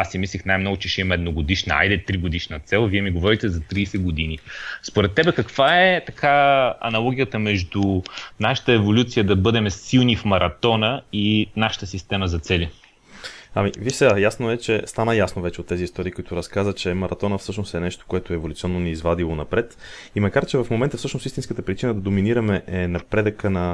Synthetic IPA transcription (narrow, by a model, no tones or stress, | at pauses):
asːimislʲixnajmnɔɡot͡ʃɛʃɛimɐɛd̪noɡod̪iʃnəa̰jd̪ɛt̪ɾiɡod̪iʃnɐt̪sɛlˠviɛmiɡovɔɾit̪ɛzɐt̪ɾiːsɛɡod̪inispoɾɛt̪ːɛbɛkɐkv̥aɛt̪ɐkʰaɐ̰nɐlˠɔɡʲiət̪əmɛʒd̪unaʃə̥t̪əɛvolʲut̪sijəd̪ɐbɤd̪ɛmɛsilˠnifmɐɾɐt̪ɔnəinaʃə̥t̪əsist̪ɛməzɐt̪sɛlʲi | amiviʃsɛɡajasnoɛt͡ʃɛst̪anəjasnovɛt͡ʃɛot̪ːɛziːst̪ɔɾiːkoʊit̪ʊɾɐskazət͡ʃɛmɐɾʔɐt̪ɔnəfsɤʃnosɛnɛʃt̪o̥koɛt̪oɛɛvolʲut̪siɔnːoniːzvad̪ilˠonɐpɾɛt̪ | imɐkaɾt͡ʃɛvɐfmomɛnt̪əfsɤəʃnosist̪inskət̪əpɾit͡ʃinəd̪ɐd̪ominiɾɐmɛʔɛnɐpɾɛd̪əkənɐ